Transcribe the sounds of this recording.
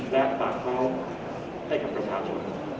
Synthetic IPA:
lɛː˥˩p̪aː˨˩k̚kʰɔː˥˩ | ha˥˩jka˨˩pːɾa˧t͡ɕʰaː˧t͡ɕʰo̰˧n

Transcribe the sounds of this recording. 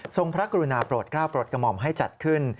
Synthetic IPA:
so˧ŋpʰɾa˦˥ka˧ɾu˧naː˧pɾoː˨˩t̪̚kɾaː˥˩wpɾoː˨˩t̪̚ka˧mɔ˧mɦa˥˩jt͡ɕa˨˩t̪̚kʰɯ˥˩n

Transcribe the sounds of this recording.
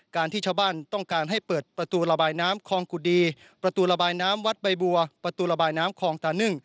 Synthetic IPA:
kaː˧nt̪ʰiː˥˩t͡ɕʰa˥˩wbaː˥˩nt̪ɔ˥˩ŋkaː˧nɦa˥˩jjpɤː˨˩t̪̚pɾa˧t̪uː˧ɾa˧baː˧jnaː˦˥mkʰɔː˧ŋku˨˩diː˧ | pɾa˧t̪uː˧ɾa˧baː˧jnaː˦˥mwa˦˥t̪̚ba˧jbu˧ɐpɾa˧t̪uː˧ɾa˧baː˧jnaː˦˥mkʰɔː˨˦ŋt̪aː˧˩nɯ˥˩ŋ

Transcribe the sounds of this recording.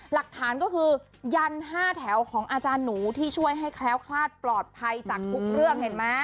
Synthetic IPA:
la˨˩k̚t̪ʰaː˩˦nkɔː˥˩kʰɯː˧ | ja˧nɦaː˥˩t̪ʰɛ˩˦wkʰɔː˩˦ŋʔaː˧t͡ɕaː˧nːuː˩˦t̪ʰiː˥˩t͡ɕʰu˥˩əjɦa˥˩jkʰlɛː˦˥wkʰlaː˥˩t̪̚plɔː˨˩t̪̚pʰa˧jt͡ɕaː˨˩k̚t̪ʰu˦˥k̚ɾɯ˥˩əŋhe˨˩nma˦˥

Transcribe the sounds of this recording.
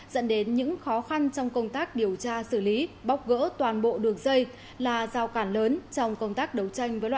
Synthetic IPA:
zə̰˧˥nɗe˨˦nɲɨ̰˧˥ŋxɔ˨˦xa˧nt͡ɕɔ˧wŋ͡mkə˧wŋ͡mt̪aː˦˥k̚ɗi˨˩əwt͡ɕaː˧sɨ˧˩li˨˦ɓa˦˥wk͡p̚ɣə̰ː˧˥t̪waː˨˩nɓo̰˧˨ɗɨ˨˩əŋzə˧j | laː˨˩zaː˧˩wkaː˧˩nləː˨˦nt͡ɕɔ˧wŋ͡mkə˧wŋ͡mt̪aː˦˥k̚ɗə˨˩wt͡ɕa˧jŋ̟vəː˨˦jlwa˧˨

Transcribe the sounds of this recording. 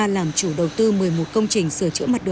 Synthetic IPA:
laː˨˩mt͡ɕu˧˩ɗə˨˩wt̪ɨ˧mɨ˨˩əjmo˨˩t̚kə˧wŋ͡mt͡ɕï˨˩ŋ̟sɨ˧˩ət͡ɕɨ̰˧˥əmə˨˩t̚ɗə˨

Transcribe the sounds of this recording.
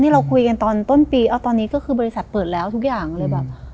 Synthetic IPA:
niː˥˩ɾa˧wkʰu˧jka˧nt̪ɔː˧nt̪o˥˩npiː˧ʔaː˥˩t̪ɔː˧nːiː˦˥kɔː˥˩kʰɯː˧bɔː˧ɾi˧sa˨˩t̪̚pɤː˨˩t̪̚lɛː˦˥wt̪ʰu˦˥k̚jaː˨˩ŋlɤː˧jbɛː˨˩p̚

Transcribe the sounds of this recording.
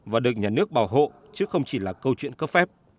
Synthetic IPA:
vaː˨˩ɗɨ˨˩ək̚ɲaː˨˩nɨ˦˥ək̚ɓaː˧˩wɦo̰˧˨ | t͡ɕɨ˨˦xə˧wŋ͡mt͡ɕi˧˩laː˨˩kə˧wt͡ɕwḭ˧˨ənkə˦˥p̚fɛ˦˥p̚

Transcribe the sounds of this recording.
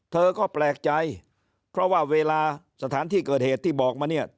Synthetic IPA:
t̪ʰɤː˧kɔː˥˩plɛː˨˩k̚t͡ɕa˧j | pʰɾɔ˦˥˩waː˥˩weː˧laː˧ | sa˧t̪ʰaː˩˦nt̪ʰiː˥˩kɤː˨˩t̪̚heː˨˩t̪ʰːiː˥˩bɔː˨˩k̚maː˧ni˥˩ɐ

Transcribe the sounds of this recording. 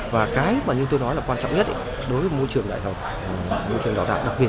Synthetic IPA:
vaː˨˩kaː˨˦jmaː˨˩ɲɨ˧t̪o˧jnɔ˨˦jlaː˨˩kwaː˧nt͡ɕɔ̰˧˨wŋ͡mɲə˦˥t̚ʔ | ɗo˨˦jvəː˨˦jmo˧jt͡ɕɨ˨˩əŋɗa̰ː˧˨jt̪ə˨˩k͡p̚ː | mo˧jt͡ɕɨ˨˩ɗaː˨˩t̪a̰ː˧˨wɗa˨˩k̚ɓi˨˩ə˩t̚

